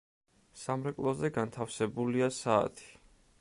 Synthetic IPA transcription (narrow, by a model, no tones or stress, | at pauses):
samɾɛkʼlˠɔzɛɡant̪ʰafsɛbuliasa̰ːt̪ʰi̥